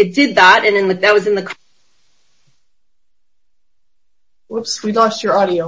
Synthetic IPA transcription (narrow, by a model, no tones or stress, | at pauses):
ɨt̚d̥ɪd̪̚ðæɾɨ̃nɨ̃nɨðɨt̚wʌzɨ̃nðɨkʰ | wɪpswilɔst͡ʃə˞ɑɾioʊ